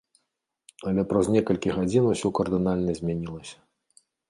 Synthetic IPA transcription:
ɐlʲɛpɾɐznʲɛkɐlʲkʲiɣad͡zʲinusʲukɐrd̪ɨnalʲnɐzʲmʲɛnʲilˠɐsʲɐ̥

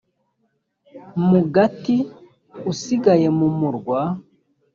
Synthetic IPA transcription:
muɡati | usiɡajemumuɾɡwa

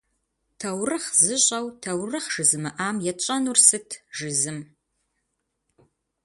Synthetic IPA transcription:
tʰawrɨχzɨʑʷʼawtʰawrɨχʒ̥ɨzɨmɨʔamjɛt͡ʃʷʼanursɨtʰʒɨzɨm

